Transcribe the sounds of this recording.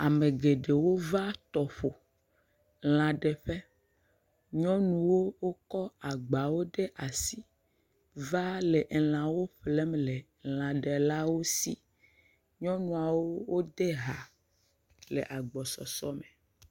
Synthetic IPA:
a˨me˨ɡe˨ɖe˨wo˦va˦t̪ɔ˨ɸo˨ | l̃ã˨ɖɛ˨ɸe˦ | ɲɔ̃˦nũ˨wo˦wo˦kɔ˦a˨ɡ͡ba˨wo˦ɖe˦ʔa˨si˦ | va˦le˨ʔl̃ã˨wo˦ɸlɛ˦mle˨ | l̃ã˨ɖɛ˨la˦wo˦si˦ | ɲɔ̃˦nũ˨a˨wo˦wo˦d̪e˦ɦa˨ | lḛ˨ʔa˨ɡ͡bɔ˨sɔ̰˨sɔ˦me˨

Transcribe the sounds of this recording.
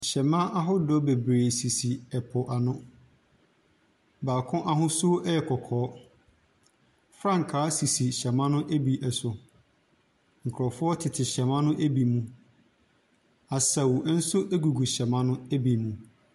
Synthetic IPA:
ɕɛ˨mã˦ʔa˦ɦʊ˦dɔ˦be˨bɾeː˨si˨si˨ɛ˨pʰɔ˨ʔa˨nʊ̃˦ | baː˨kʰʊ̃˦ʔa˦ɦʊ̃˦sʊ˦ɛ˦ɛ˨kʰɔ˨kʰɔː˨˦ | fɾã˦˨ŋ̩˨kʰaː˨˦si˨si˨ɕɛ˨mã˦nʊ̃˦ʔæ˦bi˨ʔɛ˨sʊ˨ | ŋ̩˨kʰɾɔ˨fʊ˦ɔ˦tʰɪ˨tʰɪ˨ɕɛ˨mã˦nʊ̃˦ʔæ˦bi˨mũ˨ | a˨sa˨wn̩˦sʊ˦æ˦ɡu˨ɡu˨ɕɛ˨mã˦nʊ̃˦æ˦bi˨mũ˨

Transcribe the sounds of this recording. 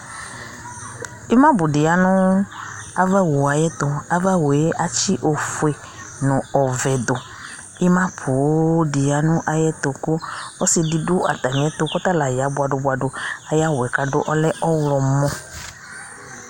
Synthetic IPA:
i˦mã˦bʊ˨dɪ˨a˦nʊ̃˦ | a˦va˦wo˨a˨jɛ˦t̪ʊ˨a˨va˦wo˨e˦ʔa˦t͡ʃi˦ʔo˨fu˨e˨ | nʊ̃˨ɔ˨vɛ˨d̪ʊ˨ | ɪ˦mã˦pʰʊ˨˦dɪ˨a˨nʊ̃˦ʔa˨jɛ˦t̪ʊ˨kʊ˦ɔ˦sɪ˨di˨dʊ˦a̰˨t̪a˨ɲ˨ɛ˨˦t̪ʊ˨kɔ˦t̪a˦la˨ja˨˦bʊ˨a˨ɖʊ˨bʊ˨a˨ɖʊ˨a˨ja˦wɛ˨ka˨dʊ̰˦ʔɔ˦lɛ˦ʔɔ˦wlɔ˨mɔ̃˦

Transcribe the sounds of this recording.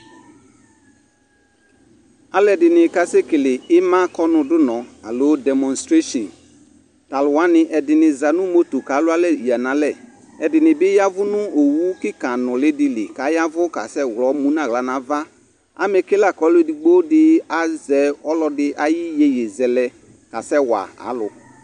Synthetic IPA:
a˨lɛ˨dɪ˨nɪ˨ka˨se˦kɪ˨lɪ˨ɪ˦mã˦kɔ˦nʊ̃˨dʊ˦nɔ̃˨a̰˨lo˦dɛ˨mɔ̃˨nstɾe˦ʃɔ̃˨n | ta˨lwa˦nɪ˨ʔɛ˨dɪ˨nɪ˨za˨nʊ̃˦mo˦to˨ka˨˦lʊ˦a˦lɛ˦i˨a˨nã˨˦lɛ˦˨ | ɛ˨dɪ˨nɪ˨bɪ˦ja˦vʊ˦nʊ̃˦o˨wu˦kɪ˦kã˨nʊ̃˨lɪ˦dɪ˦lɪ̰˨ka˨˦ja˦vʊ˦ka̰˨sɛ˦˨wlɔ˨˦mũ˦nã˨ɣla˨˦na˨va˦ | a̰˨mɛ˨ke˦la˦˨kɔ˨˦lo˦di˨ɡ͡bo˦dɪ˦a˨zɛ˨ɔ˦lɔ˦dɪ˦ʔa˦jɪ˦je˨je˨zɛ˨lɛ˨ | ka˨sɛ˦wa̰˨a̰˨˦lʊ˨

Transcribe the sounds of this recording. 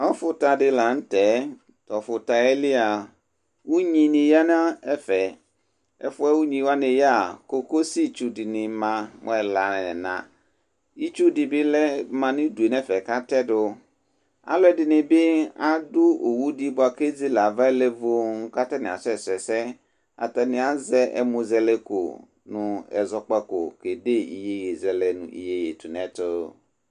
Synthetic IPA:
ɔ˦fʊ˨ta˨dɪ˨la˨n̩˦tɛ˨˦ | tɔ˨fʊ˨ta˨ɛ˦lɪ˦a˨ | wu˦ɲĩ˨nɪ̃˨ja˦n˦a˦ɛ˦fɛ˨ | ɛ̰˦fʊ˦ɛ˦wu˦ɲĩ˨wa˦nɪ̃˨ja˦˨ko˨ko˦si˦t͡ʃu˨dɪ˨nɪ̃˨mã˨m˨ɛ˨la˨n˨nã̰˨ | i˦t͡ʃu˦dɪ˨bɪ˦lɛ˦mã˨nɪ̃˦du˨e˨nɛ˦fɛ˨ka˦tɛ˦dʊ˨ | a̰˨lɔ˦ɛ˨dɪ˨nɪ̃˨bɪ˦a˦dʊ˦o˨wu˦di˦bʊ˦a˨ke˦zi˦la˨va˦ɛ˦lɛ˦vo˦ŋ̩˦ka˦tɛ˦nɪ̃˨a̰˨sɛ˨sɛ˨sɛ˦ | a̰˨tɛ˨nɪ̃˨a˦zɛ˦ʔɛ̰˨mu˨zɛ˦le˦ko̰˨ | nʊ̃˨ɛ̰˨zɔ˨k͡pa˦ko̰˨ke˨de˦ḭ˨je˦je˨zɛ˨lɛ˨nʊ̰̃˨ḭ˨je˦je˨tu˨nɛ̃˨tʊ˦

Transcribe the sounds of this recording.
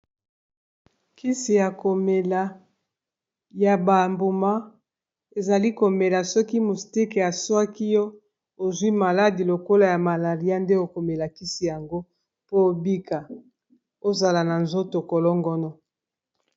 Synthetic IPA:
ki˦si˨ja˨ko˨me˨la˨ | ja˨ba˨mbo˨ma˦ | e˨za˨li˦ko˨me˨la˨sɔ˦ki˦mu˨sti˦ke˨a˨swa˦ki˦jɔ˦ | o˨zwi˦ma˨la˦di˨lo˨ko˦la˨ja˨ma˨la˨ʁi˦a˦nde˦o˨ko˨me˨la˨ki˦si˨ja˨ŋɡo˦ | po˦o˦bi˦ka˨ | o˦za˨la˨na˨nzo˦to˨ko˨lɔ˦ŋɡɔ˦nɔ˦

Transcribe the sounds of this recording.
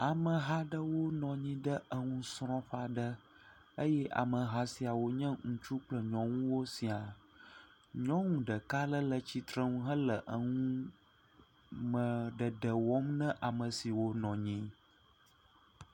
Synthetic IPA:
a˨mə̃˨ɦa˦ɖə˦wo˦nɔ̃˨ɲĩ˦ɖə˦ʔə˦ŋũ˦sɾ̃ɔ̃˦ɸa˨ɖə˦ | ə˦jɛ˦ʔa̰˨mə˨ɦa˦si˨a˨wo˦ɲɛ̃˦ŋũ˨t͡ʃu˦k͡plə˨ɲɔ̃˨ŋũ˦wo˦si˨a˨ | ɲɔ̃˦ŋũ˨ɖə˨ka˦lə˦lə˨t͡ɕi˨t̪ɾə˦ŋũ˦ɦə˦lə˨ʔə˦ŋũ˦ | mə̃˨ɖə˨ɖə˨wɔ˦mnə̃˦ʔa˨mə̃˨si˨wo˦nɔ̃˨ɲĩ˦

